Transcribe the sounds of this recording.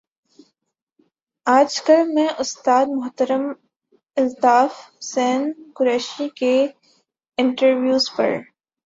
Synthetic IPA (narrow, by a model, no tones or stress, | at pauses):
aːd͡ʒkɐlmɛ̃ʔʊst̪aːd̪̚mʊɦt̪əɾəm | ɪlt̪aːfsɛːnkʊɾɛːʃike | ɪ̃ɳʈəɾwjuːzpɐ̰ɾ